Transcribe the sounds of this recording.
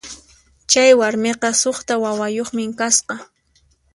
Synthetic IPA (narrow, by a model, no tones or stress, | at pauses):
t͡ʃajwaɾmeqɑsoχt̪awawajoχmɪŋkasqɑ